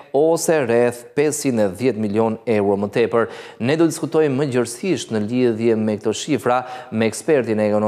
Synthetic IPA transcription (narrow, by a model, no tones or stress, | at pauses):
ɔsɛɾɛθpɛsinɛðjɛt̪miljɔnɛwɾɔmət̪ɛpəɾnɛd̪ɔd̪iskut̪ɔjməd͡ʑəɾsiʃt̪nəliðjɛmɛk̚t̪ɔʃifɾamɛːkspɛɾt̪inɛːkɔnɔ